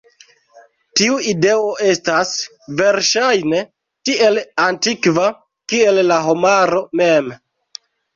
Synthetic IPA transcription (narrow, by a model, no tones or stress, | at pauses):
tiuide̞o̞ʔe̞stas | ve̞ɾʃajne̞ | tie̞lantikva | kie̞lːaɦomaɾo̞me̞m